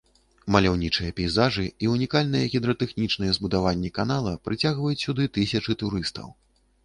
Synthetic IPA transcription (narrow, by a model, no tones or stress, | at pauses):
mɐlʲawnʲit͡ʂɨjɐpʲɛjzaʐɨiunʲikalʲn̪ɨjɛɣʲid̪ɾɐt̪ɛxnʲit͡ʂnɨjɛzbud̪avanʲːɛkanalˠɐpɾɨt͡sʲaɣvɐjut͡sʲsʲud̪ɨt̪ɨsʲɐt͡ʂɨt̪uɾɨst̪ɐ̰w